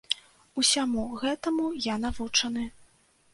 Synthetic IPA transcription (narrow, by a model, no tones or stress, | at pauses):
usʲamuɣɛt̪ɐmujanavut͡ʂɐnɨ